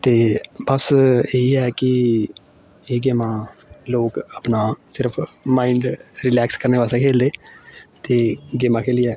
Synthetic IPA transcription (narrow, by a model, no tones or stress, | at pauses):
t̪eːbəseːiɛːkɪ | eːɡeːmãːloːkəpnaːsɪɾəpʰmaːiɳɖɾɪlɛːkskəɾneːʋaːsẽkʰeːld̪eːt̪eːɡeːmãːkʰeːliːɛː